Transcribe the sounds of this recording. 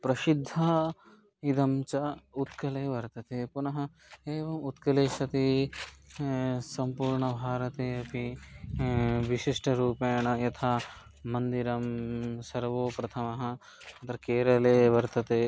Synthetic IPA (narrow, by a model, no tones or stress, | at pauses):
pɾɐʃid̪ʱːɐ | id̪ɐmt͡ʃɐut̪kɐleːʋɐɾt̪ɐt̪epunɐɦɐ̆ | eːʋɐmut̪kɐleːʃɐt̪i | sɐmpuːɾɳɐbʱaːɾɐt̪eːɐpi | ʋiʃiʂʈɐɾuːpɐːɐɳɐjɐt̪ʰaː | mɐnd̪iɾɐmsɐɾʋoːpɾɐt̪ʰɐmɐɦɐ̆ | ɐt̪ɾɐkeːɾɐleːʋɐɾt̪ɐt̪eː